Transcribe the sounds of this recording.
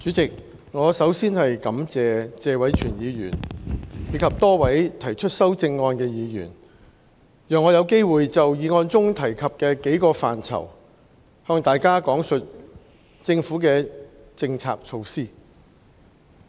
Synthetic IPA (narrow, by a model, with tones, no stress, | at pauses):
t͡ʃyː˨˥t͡sɪ˨k̚ | ŋɔː˨˧sɐ˨˥wsiː˥nhɐ˨jkɐ˨˥mt͡sɛː˨t͡sɛː˨˧wɐ˨˥jt͡ʃʰyː˨˩njiː˨˧jyː˨˩njiː˨˧˥kʰɐ˨p̚t̪ɔː˥wɐ˨˥jt̪ʰɐ˨˩jt͡ʃʰɵ˥t̚sɐ˥wt͡sɪ˧ŋːɔː˧nkɛː˧jiː˨˧jy̰ː˨˩n | jœː˨ŋːɔː˨˧jɐ˨˧wke˥jwuː˨jt͡sɐ˨wjiː˨˧ŋɔː˧nt͡sʊ˥ŋt̪ʰɐ˨˩jkʰɐ˨p̚kɛː˧ke˨˥jkɔː˧faː˨˩nt͡sʰɐ̰˨˩w | hœː˧ŋt̪aː˨jkaː˥kɔː˨˥ŋsɵ˨t̚ | t͡sɪ˧ŋfuː˨˥k̬ɛː˧ | t͡sɪ˧ŋt͡sʰa̰ː˧k̚t͡ʃʰo˧wsiː˥